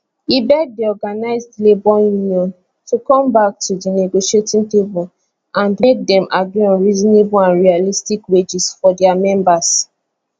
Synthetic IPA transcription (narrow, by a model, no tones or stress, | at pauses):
ibɛɡ̚diɔɡanaɪzdlebɔjuniɔ̃n | tukɔ̃mbak̚tʰudineɡoʃietĩŋpipul | ʔãndek̚dɛ̃mʔaɡɹuɔ̃nɹizɔ̃nebulãnɹialistikwed͡ʒisfɔdɛamɛ̃mbas